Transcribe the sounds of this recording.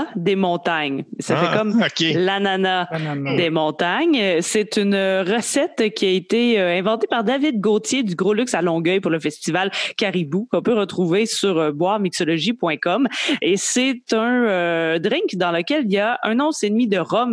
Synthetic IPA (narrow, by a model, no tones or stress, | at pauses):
d̪emɔ̃t̪aɲsafɛkɔmokʲelananad̪emɔ̃t̪aɲset̪ynøʁəsɛt̪kʲiaet̪eøɛ̃vɑ̃t̪epaʁd̪avɪd̪̚ɡoːt̪jed̪yɡʁolyksalɔ̃ɡœjpʊʁləfɛst̪ivalkʲaʁibukɔ̃pøʁət̪χuvesyʁbwaːʁmiksɔlɔʒipwɛ̃kɔmesɛt̪œ̃ød̪ʁɪ̃ŋkd̪ɑ̃ləkʲɛliljaʔœ̃nɔ̃senmid̪əʁɔm